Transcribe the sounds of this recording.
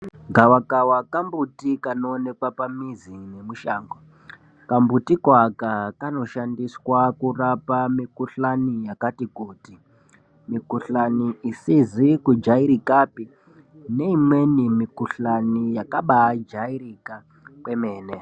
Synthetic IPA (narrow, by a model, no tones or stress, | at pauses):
ɡʱawakawakambutikanoːne̞kwapamizine̞muʃaːŋɡo | kambutikwakakano̞ʃandiswakurapamikuɬanijakatikuːti | mikuɬaniʔisizikud͡ʒaiɾikapi | ne̞imwe̞nimikuɬanijakaɓad͡ʒaiɾika | kwe̞meːne